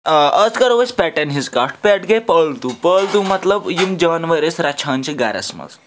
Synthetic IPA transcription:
ət͡skəɾʋəspɛʈɛnɦit͡skaʈpɛʈɡepəɭt̪upəɭt̪umət̪ləbjimd͡ʑənʋəɾesɾat͡ɕʰant͡ɕiɡa̰ɾa̰smɐ̰t͡s

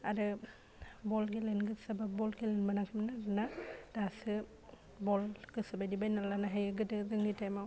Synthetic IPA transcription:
aɾɯ | bɔlɡilenɡɯsababɔlɡelenbanakʰɯmnaɾɯnad̥asɯ | bɔlɡ̥ɯsabajdibajnalanaɦajɯɡɯdɯzɯŋɡitajmaw

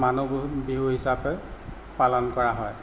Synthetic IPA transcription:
manubiɦuɦisapɛ | palɔnkɔɹaɦɔj

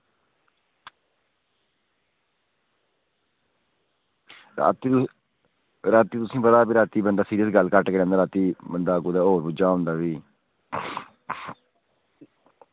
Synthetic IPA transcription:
ɾa̰ːt̪iː | ɾaːt̪iːt̪ʊsĩːpəd̪aːbiːɾaːt̪iːbənd̪aːsiːɾijəsɡəlkəʈkeːɾɛ̃ːnd̪aːɾaːt̪iːbənd̪aːɡud̪aːoːɾbʊd͡ʒaːɦʊ̃nd̪aːʋiː

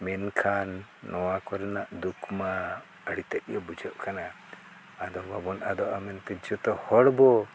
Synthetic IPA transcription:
mɛnkʰanːɔwakɔɾɛnaʔd̪ukʰma | əɽit̪ɛʔ̚jɔbud͡ʒəʔkana | ad̪ɔbabɔnad̪ɔʔamɛnt̪ɛd͡ʒɔt̪ɔhɔɽbɔ

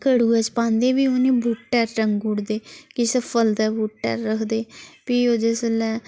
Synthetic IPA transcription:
kəɽuːɛt͡ʃpãːnd̪eːʋiːonĩːbuːʈʈɛːɾɾəŋɡuːɽd̪eːkɪsəpʰəld̪ɛːbuːʈʈɛ̰ːɾːəkʰd̪eːpiːoːd͡ʒ̪esəlɛː

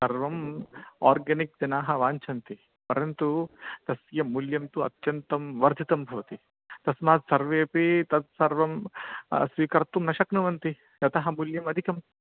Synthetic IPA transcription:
sɐɾʋɐma̰ːɾɡɐnik̚d͡ʒɐnaːɦɐʋaːɲt͡ʃʰɐnt̪i | pɐɾɐnt̪ut̪ɐsjɐmuljɐmt̪uɐ̰t̪jɐnt̪ɐmʋɐɾd̪ʱit̪ɐmbʱɐʋɐt̪i | t̪ɐsmaːt̪sɐɾʋeːpit̪ɐt̪̚sɐɾʋɐm | sʋiːkɐɾt̪umnɐʃɐknuʋɐnt̪i | jɐt̪ɐɦɐmuljɐmɐd̪ʱikɐm

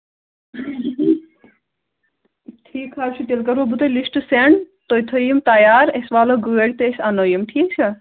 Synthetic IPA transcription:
ʈʰiːkhaːɾt͡ʃʰut̪elkɐɾobut̪olisʈɨseɳt̪ojt̪ʰojimt̪ajaːɾesʋaːloɡueɽʲt̪eesʲanojimʈʰiːk̚t͡ʃʰɐ

